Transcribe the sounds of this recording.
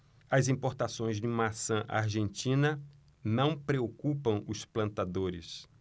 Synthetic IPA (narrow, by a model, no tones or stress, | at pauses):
ɐzĩmpoɾt̪asõj̃zd͡ʒɪmasɐ̃ʔa̰ɾʒẽnt̪ĩnɐ | nɐ̃w̃pɾeokupɐ̃w̃ʊsplɐ̃nt̪ad̪oɾɪ̰s